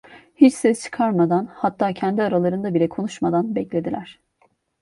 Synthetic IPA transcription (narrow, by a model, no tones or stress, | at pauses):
hit͡ʃsɛst͡ʃʰɯ̥kʰaɾmad̪anhat̪ʰːaːcʰænd̪iaɾalˠaɾɯnd̪abilʲɛkʰo̞nuʃmad̪anbɛclʲe̞d̪ilʲæɾ̥